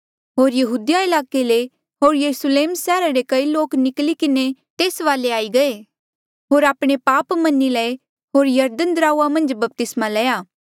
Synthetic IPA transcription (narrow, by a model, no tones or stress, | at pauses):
ɦoːɾjɐɦuːd̪jaɪlaːkele | ɦoːɾjɐɾusleːmsɛːɾaɾekɐiloːknɪklikɪnet̪eːsʋaːleaːiɡɐe | ɦoːɾaːpɽ̃epaːpmɐnilɛe | ɦoːɾjɐɾd̪ənd̪ɾaːuamɐ̃nd͡ʒbɐp̚t̪ɪsmalɛːjaː